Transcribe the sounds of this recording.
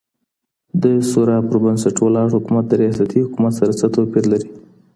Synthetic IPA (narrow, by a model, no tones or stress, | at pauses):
d̪əsoɾɑpəɾbansaʈwalɑhʊkumat̪̚d̪əɾijɑsat̪ihʊkumat̪saɾat͡sat̪awpiɾlaɾi